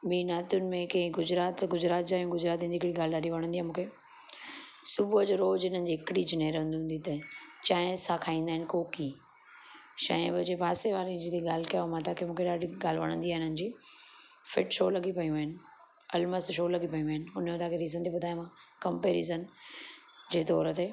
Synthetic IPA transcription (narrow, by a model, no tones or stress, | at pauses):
ɓiːnaːt̪jʊnɪ̆mẽkɐ̃ɪ̃ɡʊd͡ʑɾaːt̪ɡʊd͡ʑɾaːt̪d͡ʑaːjũɡʊd͡ʑɾaːt̪iənd͡ʑiːɪkɽiɡaːl̤ɪɗaːɗiʋɐɽ̃nd̪iaːmũːkʰe | sʊbʱʊəd͡ʑoɾoːd͡ʑɪn̤ənɪ̆d͡ʑiːɦɪkɽid͡ʑɪneːɾɦʊ̃nd̪iũnd̪it̪ɐt͡ɕaːɪ̃sakʰaːĩːnd̪aɦɪnɪkoːkiː | ʃɐ̃ɪ̃bɐd͡ʑeːpaːseʋaːɾĩd͡ʑit̪eɠaːl̤ɪkɐjamãt̪aːkʰemũːkʰeɗaːɗiɡaːl̤ɪʋɐ̰ɽ̃ə̃nd̪iaːɦɪnənɪ̆d͡ʑiː | fɪʈʃoːlɐɡʱipɐjũaːɪnɪ̆ | ɐlməst̪ʃoːlɐɡʱipɐjũaːɦɪnɪ̆ɦʊnmẽt̪aːkʰeɾiːzənt̪eɓʊd̪ʱaːj̃mãkɐmpeːɾḭzən | d͡ʑeːt̪ɔːɾt̪e